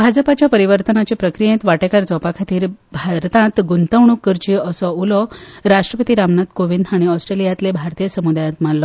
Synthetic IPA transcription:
bʱad͡zpat͡ɕjapəɾiʋəɾt̪ənat͡ɕepɾəkɾijẽt̪ʋaʈekaɾd͡zɔpakʰat̪iːɾbʱaɾt̪ãt̪ɡunt̪əʋɳ̃ukːəɾt͡ɕiəsɔulɔɾaʂʈɾəpət̪iɾamnat̪koʋind̪ʱaɽ̃iɔsʈɾelijat̪lebʱaɾt̪ijəsəmud̪ajãt̪mallɔ

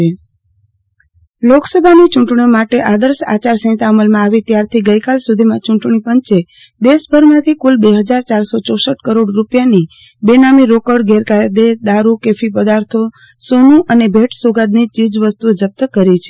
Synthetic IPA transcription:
e | loksəbʱanit͡ʃũʈɳiomaʈeʔad̪əɾsa̰t͡ʃaɾsə̃j̃t̪aəməlmãːʋit̪jaɾt̪ʰiɡəjkalsud̪ʱimãt͡ʃũɳʈɳipəɲt͡ʃe | d̪eʃbʱəɾmãt̪ʰikulbeɦəd͡ʒaɾt͡ʃaɾsot͡ʃɔsəʈkəɾoɽɾupjani | benamiɾokəɽɡeɾkajd̪ed̪aɾukefipəd̪aɾt̪ʰo | sonũʔənebʱeʈsoɡad̪̚nit͡ʃid͡ʒʋəst̪ud͡ʒəb̚t̪əkəɾit͡ʃʰe

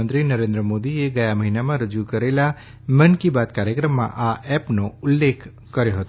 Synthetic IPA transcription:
ənt̪ɾinəɾẽnd̪ɾəmod̪ieɡəjaməɦinamãɾəd͡ʒukəɾela | mənkibat̪kaɾjəkɾəmːã̰ʔaʔɛpnoʊlːekʰ | kəɾjoɦət̪o

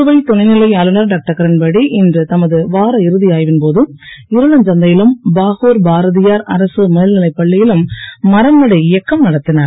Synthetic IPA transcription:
ɯʋɐɪt̪ɔɳɐɪnɪlɐɪaːlɯnɐɾɖaːk̚ʈɐkɐɾɐnbɐɽiʔɪndrɯt̪ɐmɐðɯʋaːɾɐɪɾɯðɪjaːjʋɪnpoːðɯɪɾɯɭɐnd͡ʒɐnd̪ɐjɪlɯmbaːɣoːɾbaːɾɐðɪjaːɾɐɾɐsɯmeːlnɪlɐɪpːɐɭːɪjɪlɯmːɐɾɐnːɐɽɐɪjɐkːɐmnɐɽɐt̪ːɪnaːɾ

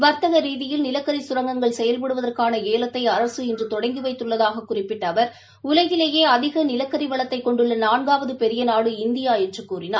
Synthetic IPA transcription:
ʋɐɾt̪ɐɣɐɾiːðɪjɪlnɪlɐkːɐɾisʊɾɐŋɡɐŋɡɐɭsɛjɐlpɐɽɯʋɐðɐrkaːnɐeːlɐt̪ːɐɪɐɾɐsɯɪndrɯt̪ɔɽɐɪŋɡɯʋɐɪt̪ːɯɭːɐðaːɣɐkːʊrɪpːɪʈːɐʋɐɾ | ʊlɐɣɪleːjeːɐðɪɣɐnɪlɐkːɐɾiʋɐɭɐt̪ːɐɪkːɔɳɖɯɭːɐnaːɳɡaːʋɐðɯpɛɾɪjɐnaːɽɯɪnd̪ɪjaːjɛʈrɯkːuːrɪnaː

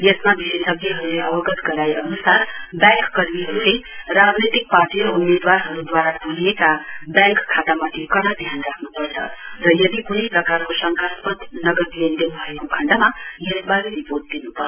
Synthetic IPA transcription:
jesmab̪iʃesəbeɦʌɾuleəʋəɡət̪ɡəɾaeʔənusaɾbɛ̃kːəɾmiɦəɾuleɾad͡znit̪ik̚paɾʈiɾəumed̪waɾɦʌɾud̪waɾabʱuliet̪abɛ̃ŋkkʰːat̪amat̪ʰikʌɽad̪ʱjanɾakʰnupəɾt͡ʃʰʌ̰ɾʌjʌd̪ikunipɾəkaɾkosə̃ŋkʰaspət̪nʌɡəɾlend̪enubʱʌekokʰəɳɖamajebaɾeɾipoɾʈ̚d̪enupəɾ

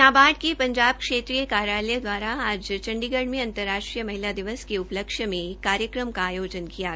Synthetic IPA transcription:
aːbaːɖ̚kepɐ̃ɲd͡ʒaːbkʂeːt̪ɾijəkaːɾjaːləjəd̪ʋaːɾaaːd͡ʒt͡ʃɐ̃ɳɖiɡəɽmẽɐ̃nt̪əɾːaːʂʈɾijəmɐɦilad̪ɪʋəskeʊpləkʃjəmẽkːaːɾjəkɾəmkaːjoːd͡ʒənkija

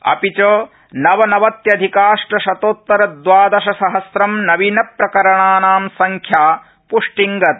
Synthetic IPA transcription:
ɐ̰pit͡ʃoː | nɐʋɐnɐʋɐt̪jɐd̪ʱikaːʂʈɐʃɐt̪oːt̪ːɐɾɐd̪ʋaːd̪ɐʃɐsɐɦɐsɾɐmnɐʋinɐpɾɐkɐɾɐɳaːnaːmsɐŋkʰjaː | puʂʈiŋɡɐt̪̚

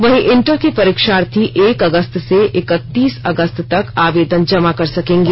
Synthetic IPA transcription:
ʋɐɦĩʔɪɳʈəɾkepɐɾɪkʃaːɾt̪ʰiʔeːkɐɡəst̪seʔɪkət̪ːiːsɐɡəst̪t̪ɐkaːʋeːd̪ənd͡ʒɐmakɐɾsɐkẽːŋɡiː

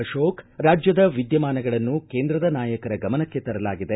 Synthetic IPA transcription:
ɐʃoːkɾaːd͡ʒjɐd̪ɐʋid̪jɐmaːnɐɡɐɭɐnːukeːnd̪ɾɐd̪ɐnaːjɐkɐɾɐɡɐmɐnɐkːe̞t̪ɐɾɐlaːɡid̪e

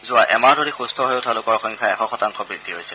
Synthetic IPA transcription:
zʊwaʔɛmaɹdʱoɹixustʰɔɦojotʰalʊkɔɹxɔŋkʰaɛxɔxɔtaŋxɔbɹidʱiɦojsɛ

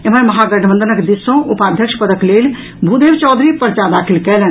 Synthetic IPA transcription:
eməməɦaɡəʈʰbə̃nd̪ənəkd̪isõupad̪ʱjəkʃpəd̪əklel | bʱud̪eʋt͡ʃɔːd̪ɾipəɾt͡ʃad̪akʰilkɛlən

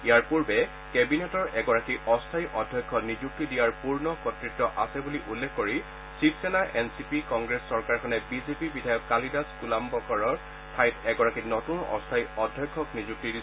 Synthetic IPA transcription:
ijaɹpuɹbɛ | kɛbinetɔɹɛɡɔɹakiʔɔstʰajʔɔdʱjɔjkʰːɔnizuk̚tidijaɹpuɹnɔkɔtɹitːɔʔasɛbuliʔulːekʰːoɹi | sipsɛnaʔɛnsipikɔŋɡɹesːɔɹkaɹkʰɔnɛbizepibidʱajɔkːalidaskulambɔkɔɹɔ | tʰajtʰɛɡɔɹakinɔtunɔ̰stʰajɔdʱjɔjkʰːɔknizuk̚tidi

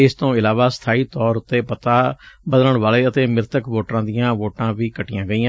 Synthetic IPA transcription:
ɪst̪õːɪlaːʋaːsə̥t̪ʰaːiːt̪ɔːɾt̪eːpət̪aːbəd̪ələɳʋaːleːət̪eːmɪɾt̪əkʋoːʈɾãːd̪ɪjãːʋoːʈãːʋiːkəʈɪjãːɡəiːãː

